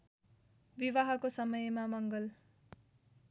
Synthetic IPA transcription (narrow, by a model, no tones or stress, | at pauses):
biβaɦʌkosʌmʌjmamʌŋɡʌl